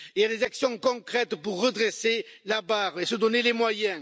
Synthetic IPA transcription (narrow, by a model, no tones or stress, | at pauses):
ilad̪ezaksjɔ̃kɔ̃kχɛt̪puʁːəd̪ʁeselabaʁesəd̪ɔnelemwajɛ̃